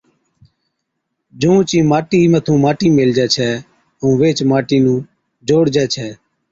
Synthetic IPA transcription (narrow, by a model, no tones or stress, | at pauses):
d͡ʒũːt͡ʃĩːmaːʈiːmət̪ʰũːmaːʈiːmeːld͡ʒɛːt͡ʃʰɛː | ũːʋeːt͡ʃmaːʈiːnũː | d͡ʒoːɽd͡ʒɛːt͡ʃʰɛː